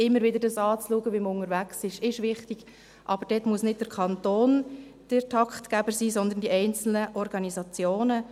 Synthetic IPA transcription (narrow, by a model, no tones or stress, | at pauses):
ɪmːəɾʋɪd̪əɾdɑsɑːt͡sluəɡəʋimʊŋəɾvæksɪʃɪʃʋɪχtiɡ̥ | ʔɑbəɾd̥ɛːtmuəsnɪd̚d̥əɾkʰχɑntoːnd̥ɪɾtʰɑkχt̪kæbəɾsiːsɔnd̪əndiʔɛɪnt͡sl̩nəʔɔɾɡ̥ɑnizɑt͡sjoːnə